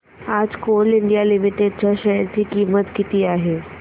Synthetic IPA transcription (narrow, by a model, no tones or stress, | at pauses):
aːd͡ʑkoːlɪɳɖijalɪmiʈeɖ̚t͡ɕaʃɐjəɾt̪ʰikiːmət̪kɪt̪iaːɦeː